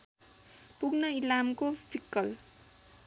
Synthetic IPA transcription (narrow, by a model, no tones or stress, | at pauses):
puɡnʌilamkopʰikːʌl